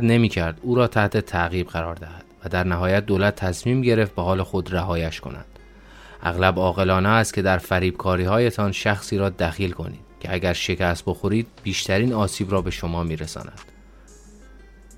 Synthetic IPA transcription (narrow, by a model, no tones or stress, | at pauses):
d̪ne̞miːcʰæɾd̪uːɾɒːt̪ʰæht̪ʰet̪ʰæɣiːbɣæɾɒːɾd̪æhæd̪̥væd̪æɾnæɦɒːjæt̪̚d̪oːlæt̪ʰːæsmiːmɟe̞ɾe̞ft̪̚behɒːlexo̞d̪ræɦɒːjæʃkʰo̞̰næ̰d̪̥ | ʔæ̰ɣlæbɒːɣe̞lɒːneæst̪kʰʲcʰe̞d̪æɾfæɾiːb̥kʰɒːɾiːhɒːje̞t̪ʰɒnʃæxsiːɾɒːd̪æxiːlkʰo̞̰nḭːd̪̥cʰeæɟʲæɾʃe̞cʰæst̪̚bo̞xo̞ɾiːd̪̚biːʃt̪ʰæɾiːnɒːsiːbɾɒːbe̞ʃo̞mɒːmiːɾesɒ̰ːnæd̪̥